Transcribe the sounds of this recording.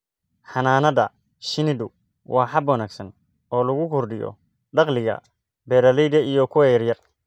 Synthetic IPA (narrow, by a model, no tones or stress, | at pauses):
ħɑnaːnɐðɐ̰ | ʃɪnɪd̪ʊ | wʔɑːħɑbwɐnaːɡsɐn | ɔːlɐɣʊkʰʊrɖɪjɔ̰ | ɖɑqlɪɣɐ̰ | bɛːɾɐlɛjd̪ɐijɔkʰʊwɛjɐrjɐr